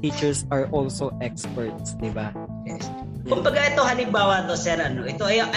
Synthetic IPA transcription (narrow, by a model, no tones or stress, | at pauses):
iːt͡ʃɛɹsɐɹʔɔlsoʔɛkspɛɹt̪̚sd̪ɪba | jɛs | ʊmbɐɡaɛt̪ohɐlɪmbaːwat̪osɛɾʔɐnoʔɛt̪oɐjaʔ